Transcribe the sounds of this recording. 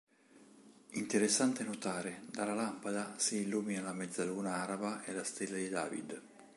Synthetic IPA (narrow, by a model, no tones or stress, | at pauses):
int̪eɾesːant̪enot̪aːɾed̪alalampad̪asiːlːuːminalamɛd̪zaluːnaaɾabaʔelast̪elːad̪id̪a̰ːvḭd̪